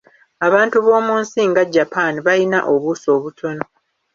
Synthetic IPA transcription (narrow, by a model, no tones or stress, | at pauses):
aβaːntuβo̞ːmuːnsiːŋɡaɟːapaːniβajina̰ʔo̞βuso̞ːβutʰo̞no̞